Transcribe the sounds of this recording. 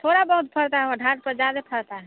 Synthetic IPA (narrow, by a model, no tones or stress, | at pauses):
t̪ʰoɾabəɦut̪̚pʰəɽt̪aɦɛəɖʱaɾpəd͡ʒad̪epʰəɽt̪aɦɛ